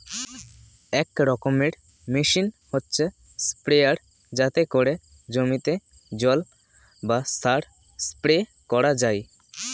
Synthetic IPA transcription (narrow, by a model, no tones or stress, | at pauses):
ɛkɾɔkomiʈ | miʃinhotːɕʰe | spɾeaɽ | d͡ʑat̪ekoɾe | d͡ʑomit̪e | d͡ʑɔl | bast̪ʰaʈ | spɾe | kɔɾad͡ʑaj